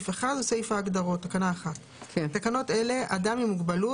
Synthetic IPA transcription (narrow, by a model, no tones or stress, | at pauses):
feχadusejfaːɡdaʁo̞tːakanaːχat | kʰt̪ːakano̞te̞le̞ʔadamimuɡbalu